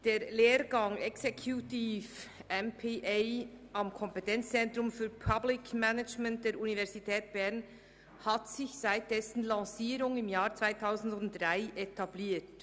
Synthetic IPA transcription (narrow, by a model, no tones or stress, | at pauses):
d̥eːɾleːɾɡɑŋɛksekʰjutiːfʔɛmpʰeʔɛɪʔɑmkʰɔmpɛtɛnt͡st͡sɛntɾʊmfyːɾpʰablɪkmɛnəd͡ʒmɛnt̚d̥eːɾunivɛɾzitʰɛːtb̥ɛʁn | hatsɪçsaɪt̚d̥ɛsn̩lɑːsiːɾʊŋɪmjaːɾt͡sv̥aɪtʰaʊzn̩dʊnt̚dʁaɪʔetʰɑbliːt